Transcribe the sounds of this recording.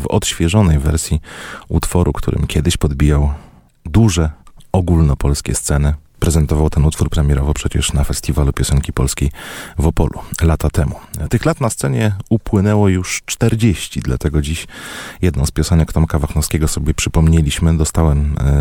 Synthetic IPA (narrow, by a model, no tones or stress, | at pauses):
vɔ̰t̪ɕfʲjɛʐɔnɛjvɛɾsʲjiut̪fɔɾʔṵkt̪ʰṵɾɘ̰mkʲjɛd̪ɘɕpɔd̪bʲijaw | d̪uʐɛɔɡulnɔpɔlskʲɛ̰st̪sɛnɘpɾɛzɛnt̪ɔvawt̪ɛnut̪fuɾpɾɛmʲjɛɾɔvɔpʂɛt͡ɕɛ̰ʂnafɛst̪ʲivalupʲjɔsɛŋkʲipɔlskʲejvɔpɔ̰lʔṵlat̪at̪ɛmut̪ɘxlat̪nast̪sɛɲɛupwɘnɛwɔjuʂt͡ʂt̪ɛɾd͡ʑeɕt͡ɕid̪la̰t̪ɛɡɔd͡ʑiɕjɛd̪nɔ̃wspʲjɔsɛnɛkt̪ɔmkavaxnɔfskʲɛɡɔsɔbʲjɛpʂɘpɔmɲelʲiɕmɘd̪ɔst̪awɛm